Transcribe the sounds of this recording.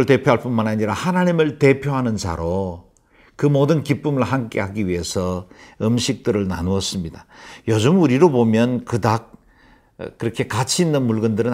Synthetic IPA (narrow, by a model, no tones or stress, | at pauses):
ɯɭte̞pʰjoɦaɭp͈unmanaɲiɾahanaɲimɯɭte̞pʰjoɦanɯnt͡ɕa̰ɾo | kɯmodɯnkip͈ɯmɯɭhamk͈e̞haɡiɥiɦe̞sʰʌɯmɕʰik̚t͈ɯɾɯɭna̰nuʌs͈ɯmɲidajod͡ʑɯmuɾiɾobomjʌnkɯdak̚ | kːɯɾʌkʰe̞kat͡ɕʰiːnːɯnmuɭɡɯndɯɾɯn